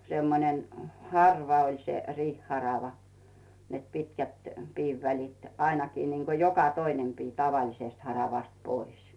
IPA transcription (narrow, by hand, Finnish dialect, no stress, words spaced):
semːonen hɑrʋɑ olʲ se riːhːɑrɑʋɑ net pitkæt piːʋːælit ɑinɑkiː niːŋko jokɑ toinem piː tɑʋɑlisest hɑrɑʋɑst pois